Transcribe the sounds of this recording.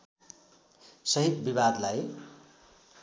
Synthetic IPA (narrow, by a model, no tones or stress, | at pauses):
sʌɦipbibad̪laj